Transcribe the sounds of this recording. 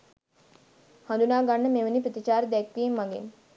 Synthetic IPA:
hãnd̪unaːɡanːəmeʋənipɾət̪it͡ʃaːɾəd̪ɛkʋimːaŋɡḛŋ

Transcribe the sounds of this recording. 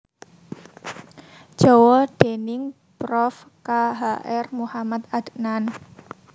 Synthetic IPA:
d͡ʒ̥ɔwɔd̥enɪŋ | pɾɔf | kaɦaʔɛrmuhamat̪ad̪ʔnan

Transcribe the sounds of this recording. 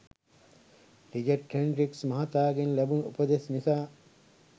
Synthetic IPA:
ɾid͡ʒɐʈːeɳɖɾiksmɐɦat̪aːɡenlɐbunṵpəd̪esnisaː

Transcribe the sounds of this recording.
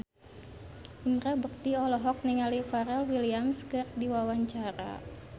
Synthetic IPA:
ʔinrabək̚t̪iɔlɔɦɔk̚niŋalifaɾɛlwiliamskərdiwawaɲt͡ʃaɾa̰

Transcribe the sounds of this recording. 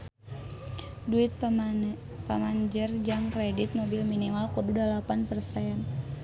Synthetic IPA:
duit̪̚ | pamaɲd͡ʒərd͡ʒaŋkredit̪̚mobilminimalkududalapanpərsaan

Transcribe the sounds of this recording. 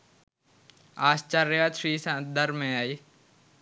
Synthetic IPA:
aːst͡ʃaɾeat̪ʃiːsãːd̪əɾmẽaːiː

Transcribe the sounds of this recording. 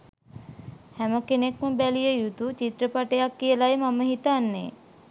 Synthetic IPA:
hæməkenekməbælijəjut̪ut͡ʃit̪rəpaʈejakːijəlajəmaməɦit̪anːḛ

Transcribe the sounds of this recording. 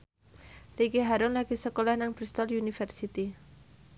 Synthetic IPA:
rikeɦaɾʊnlaɡ̥isəkolahnaŋpɾist̪ɔljunifɛrsit̪i

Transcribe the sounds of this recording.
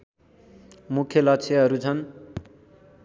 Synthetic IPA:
mukʰjʌlʌkt͡sʰeɦʌɾut͡sʰʌn

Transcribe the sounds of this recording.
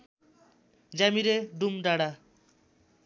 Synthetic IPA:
d͡ʑamiɾeɖumɖaɽa

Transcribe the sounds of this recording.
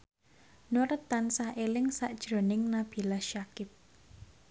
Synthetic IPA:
noɾət̪ːansahelɪŋsaʔd̥ʒ̥ɾo̤nɪŋnab̥i̤lahʃakɪp̚

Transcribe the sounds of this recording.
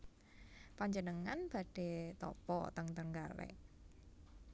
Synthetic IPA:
paɲd͡ʒənəŋanb̥a̤ɖ̥e̤t̪ɔ̰pɔ̰t̪əŋt̪əŋɡalḛʔ

